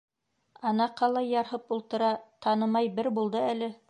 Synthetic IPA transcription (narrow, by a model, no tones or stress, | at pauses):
ɑnɑqːɑlˠɑjːɑɾhɤpulˠt̪ɤ̆ɾɑt̪ɑnɤmɑjbɘɾbulˠd̪ɤælɘ